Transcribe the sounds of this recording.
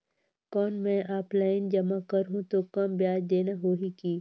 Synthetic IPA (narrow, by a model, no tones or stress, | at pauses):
kɔːnmɛ̃ːʔaːplaːɪnd͡ʒɐmakɐɾɦũt̪okɐmbjaːd͡ʒd̪eːnaɦoːɦikiː